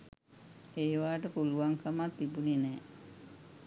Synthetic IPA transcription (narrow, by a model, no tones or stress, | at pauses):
eːʋaːʈəpuluʋaŋkamat̪ːibuninɛː